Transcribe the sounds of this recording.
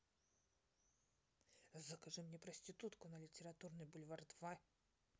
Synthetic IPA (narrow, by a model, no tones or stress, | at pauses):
zəkɐʐɨmnʲɛpɾəsʲtʲɪt̪ut̪kʊnəlʲɪtʲɪɾat̪urnɨjbʊlʲvard̪va